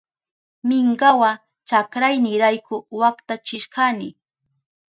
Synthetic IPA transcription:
mɪŋɢawa | t͡ʃakɾajnɪɾajkʊwakt̪at͡ʃɪʃkanɪ

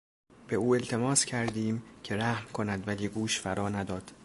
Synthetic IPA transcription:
b̥e̞uːe̞lt̪ʰe̞mɒːscʰæɾd̪iːmcʲʰe̞ɾæhmkʰo̞næd̪væliːɡuːʃfæɾɒːnæd̪ɒːd̪̥

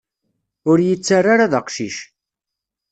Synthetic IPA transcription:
ʊɾjət͡sːarːaɾaðəqʃiʃ

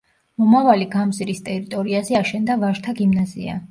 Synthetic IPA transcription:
mɔmavaliɡamzɾist̪ʼɛɾit̪ʼɔɾiazɛaʃɛnd̪avaɾt̪ʰaɡimnazḭa̰

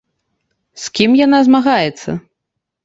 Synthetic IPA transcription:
skʲimjanazmaɣajɛt̪sːɐ̰

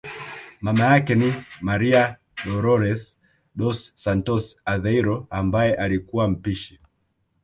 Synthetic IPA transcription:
mamajakɛnimaɾia | ɗɔɾɔɾɛs | ɗɔsːantɔsaðɛiɾɔambajɛʔalikuwam̩piʃi

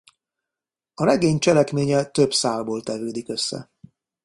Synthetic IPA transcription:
ɒɾɛɡeːɲt͡ʃɛlɛkmeːɲɛt̪øbsaːlboːlt̪ɛvøːd̪ikø̞sːɛ̰

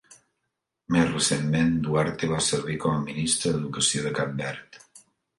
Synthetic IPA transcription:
mezrəsenmend̪uaɾt̪eβasəɾβ̞ikɔməminist̪ɾəðəðukəsioðəkambɛɾt̪

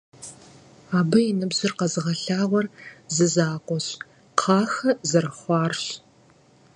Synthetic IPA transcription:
aːbɨjinɨbzɨrqɐzɨʁɐɬaːʁʷɔrzɨzaːqʷɔɕ | qʰɑːxɐzɐɾɨχʷɑːrɕ

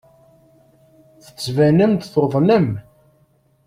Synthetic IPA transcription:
θə̥t͡sːvænəmt̪θoðˤnəm

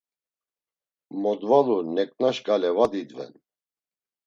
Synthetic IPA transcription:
mɔd̪valunɛkʼnaʃɡalɛvad̪id̪vɛ̰n

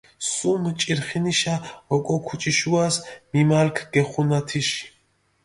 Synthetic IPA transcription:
sumt͡ʃʼiɾχiniʃaɔkʼɔkʰut͡ʃʼiʃuasmimalkʰɡ̥ɛχunat̪ʰiʃi̥

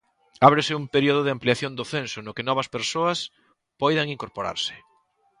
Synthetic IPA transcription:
aβɾɪsɪumpeɾioð̞ʊðɪampliaθjond̪ʊθensʊnʊkɪnɔβ̞ɐspeɾsoɐs | pɔjðɐŋiŋkoɾpoɾa̰ɾsɪ̥

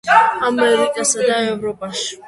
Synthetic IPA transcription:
amɛɾikʼasad̪aɛvɾɔpʼaʃ

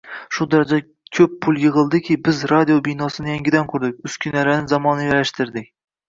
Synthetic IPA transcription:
ʃʊd̪aɾad͡ʒa | kʲʰɵpʰːʊlˠjɨʁɨlˠd̪ɪkʲʰɪbɪzɾad̪ijobijnɒsɪnɪjaŋɡʲɪd̪ankʲʰɵɾd̪ɪk̚ʲʊskʲʰɪnaɾanɪzɒmɒnɪjaɾaʃt̪ɪɾd̪ɪkʲ

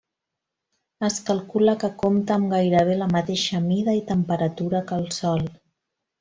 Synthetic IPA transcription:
əskəlˠkuləkəkomt̪əːmɡajɾəβ̞eləmət̪eʃəmiðəit̪əmpəɾət̪uɾəkəlˠsɔlˠ

